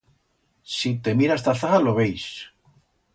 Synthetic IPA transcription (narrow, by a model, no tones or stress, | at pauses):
sit̪e̞miɾast̪aθaθaloβejs